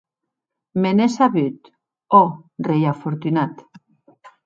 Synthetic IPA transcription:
menesaβyt̪ | orejafoɾt̪ynat̪

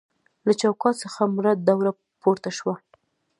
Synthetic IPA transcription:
lat͡ʃawkɑt̪səxamʊɾad̪̚ːawɾa | poɾt̪aʃwa

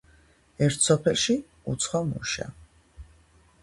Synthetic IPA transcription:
ɛɾt̪ʰsɔpʰɛlˠʃi | ut̪sʰχɔmṵʃa̰

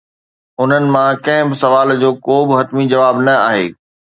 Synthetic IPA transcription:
ʊn̤ənɪ̆mãkɐ̃ɦɪ̃bɪsɐʋaːld͡ʑoːkoːbɪɦɐt̪mid͡ʑɐʋaːbnɐaːɦḛː

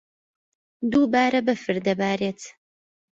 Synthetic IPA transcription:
d̪uːbaːɾɐbɨfɨɾd̪ɐbaːɾeːt̪ʰ

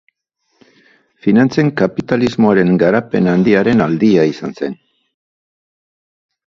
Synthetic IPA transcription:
finant͡seŋkapit̪alizmo̞aɾe̞ŋɡaɾape̞nand̪iaɾe̞nald̪iaisanse̞n

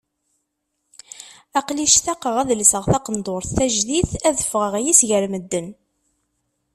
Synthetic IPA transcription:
æqliʃθæqəʁæðlisəʁθɑqənd̪ʊɾθːæʒðiθæðəfʁəʁjisʝəɾməd̪ːən

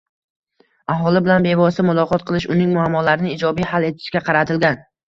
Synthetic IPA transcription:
aɦɒlɪbɪlanbe̞vɒsɪmʊlˠɒqʰɒt̪̚qʰɨlˠɪʃʊnɪŋmʊamːɒlaɾɪnɪːd͡ʒɒbijhale̞t̪ʰɪ̥ʃkʲaqʰɑɾat̪ʰɪlɡʲan

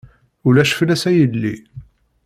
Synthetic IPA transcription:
ʊlæʃə̥flæsæjəlːḭ

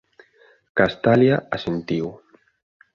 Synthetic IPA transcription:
kast̪aljaasent̪iw

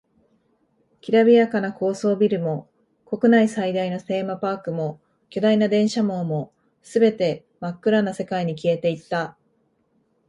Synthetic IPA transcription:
kʲiɾabʲiakanako̞ːso̞ːbʲiɾɯ̟mo̞ | ko̞kɯ̟naisaid̪aino̞se̞ːmapaːkɯ̟mo̞ | kʲod̪ainad̪ẽ̞ɰ̃ɕamo̞ːmo̞ | sɨbe̞t̪e̞ | makːɯ̟ɾanase̞kaiɲ̟ikʲie̞t̪e̞it̪ːa

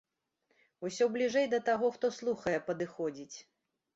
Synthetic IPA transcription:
usʲɔblʲiʐɛjd̪ɐt̪aɣɔxt̪ɔslˠuxɐjɛpɐd̪ɨxɔd͡zʲit͡sʲ

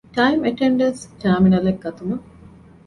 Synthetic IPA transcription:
ʈɐimeʈeɳɖɐskaːminɐlek̚ːɐt̪umɐ

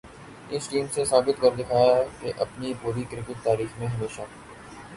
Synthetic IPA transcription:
ɪsʈiːmsesaːbɪt̪kɐɾd̪ɪkʰaːjaɦɛkeʔɐpnipuːɾikɾɪkɪʈ̪̚t̪aːɾiːxmẽɦɐmeːʃa

